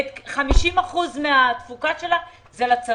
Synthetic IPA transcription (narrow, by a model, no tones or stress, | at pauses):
t̪χamiʃimaχuzmeat̪fukaʃe̞la | zelat͡sa